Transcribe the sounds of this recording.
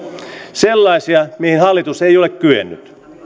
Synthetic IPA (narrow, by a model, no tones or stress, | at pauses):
selːɑisiɑmihinhɑlːit̪usejo̞lekkyḛnːy̰t̪